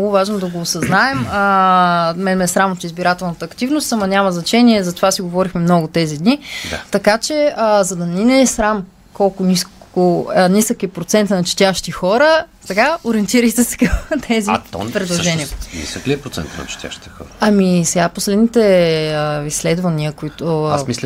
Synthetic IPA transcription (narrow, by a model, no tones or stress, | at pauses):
nmɔɡʊvaʒnod̪ɐɡoːsɐznaɛmə | mɛnmɛsɾamot̪izbiɾat̪ɛlˠnət̪əːkt̪ivnost̪amɐnʲamɐznɐt͡ʃɛniɛzɐt̪ovasiɡovɔɾixmɛmnɔɡot̪ɛzid̪nid̪at̪ɐkat͡ʃɛzɐd̪ɐninɛsɾam | kɔlˠkʊnʲiskoənisəkiɛpɾot̪sɛnt̪nɐt͡ʃi̥t̪ʲaʃt̪ixɔɾə | t̪ɐkaoɾiɛnt̪iɾəjt̪ɛsɛ̥kəmt̪ʰɛzit̪pɾɛd̪lˠoʒɛninḭsəkliɛpɾot̪sɛ̰nt̪ənɐ̰t͡ʃt̪ja̰ʃt̪i̥t̪ɛ̥xɔ̰ɾəɐmisɛɡaposlɛd̪nit̪ɛəislɛd̪vɐniəkoit̪oamislʲ